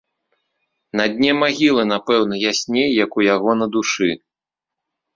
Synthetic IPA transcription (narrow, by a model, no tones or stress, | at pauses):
nɐd̪ʲnʲɛmaɣʲilˠɨnapɛwnɐjasʲnʲejːɐkujaɣɔnɐd̪uʂɨ